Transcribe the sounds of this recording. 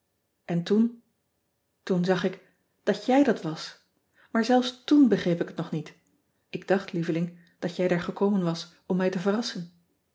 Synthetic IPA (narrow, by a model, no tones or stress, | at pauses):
ʔɛntun | tunzɑχɪk | d̥ɑtjɛjdɑtʋɑs | maːɹzɛlˠfstunbəχejpɪkətnɔχnit | ɪɡd̥ɑχtlivəlɪŋ | d̥ɑtjɛjdaːɹχəkowmənʋɑs | ɔmːɛjtəvərɑsən